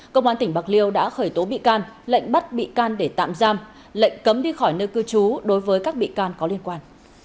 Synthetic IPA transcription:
kə˧wŋ͡mhwaː˨˦nt̪ï˩ŋ̟ɓa˨˩k̚li˧əwɗa̰ː˧˥xəː˧˩jt̪o˨˦ɓḭ˧˨kaː˧nlə̰˧˨jŋ̟ɓə˦˥t̚ɓḭ˧˨kaː˧nɗe˧˩t̪a̰ː˧˨mzaː˧m | lə̰˧˨jŋ̟kə˨˦mɗi˧xɔ˧˩jnə˧kɨ˧t͡ɕu˨˦ɗo˨˦jvəː˨˦jkaː˦˥k̚ɓḭ˧˨kaː˧nkɔ˨˦li˧ənkwaː˧n

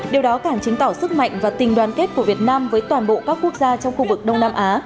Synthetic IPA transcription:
ɗi˨˩əwɗɔ˨˦kaː˧˩ŋt͡ɕɨ˨˦ŋt̪ɔ˧˩sɨ˦˥k̚ma̰˧˨jŋ̟vaː˨˩t̪ï˨˩ŋɗwaː˨˩nke˦˥t̚ku˧˩əvi˨˩ət̚naː˧mvəː˨˦jt̪waː˨˩nɓo̰˧˨kaː˦˥kːu˦˥ək̚zaː˧t͡ɕɔ˧wŋ͡mxu˧vɨ˨˩k̚ɗə˧wŋ͡mnaː˧mʔaː˨˦

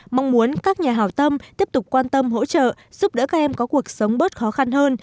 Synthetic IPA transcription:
ma˧wŋ͡mmu˨˦ənkaː˦˥k̚ɲaː˨˩ɦaː˨˩wt̪ə˧mt̪i˦˥əp̚t̪ʊ˨˩k͡p̚kːwaː˧nt̪ə˧mɦo̰˧˥t͡ɕə̰ː˧˨ | z̥u˦˥p̚ɗə̰ː˧˥kaː˦˥k̚ʔɛ˧mkɔ˨˦ku˨˩ək̚sə˨˦wŋ͡mɓə˦˥t̚xɔ˨˦xa˧nhəː˧n

